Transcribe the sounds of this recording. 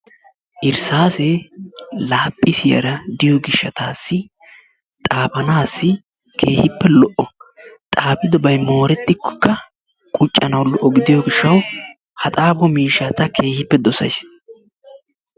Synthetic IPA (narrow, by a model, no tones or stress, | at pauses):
ʔɪɾsaːsɛ | laːpʼːɪsɪjɐ̰ɾɐd̪ɪjɔɡɪʃːɐt̪aːsːɪ | t̪ʼaːbɐnaːsːɪ | kʰe̞ːhɪpːɛlɔʔɔt̪ʼaːbɪd̪ɔbɐjmo̞ːɾɛt̪ːɪkːɔ̥kːɐ | kʼʊt͡ʃʼːɐnɐwlɔʔːɔɡɪd̪ɪjɔɡɪʃːɐw | hɐt̪ʼaːbɔmiːʃːɐt̪ɐkʰe̞ːhɪpːɛd̪ɔsɐ̰js